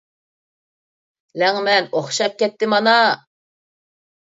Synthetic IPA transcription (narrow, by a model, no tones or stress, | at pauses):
lɛŋmɛnoχʃɑp̚kʲɛt̪ːɪmɑnɑ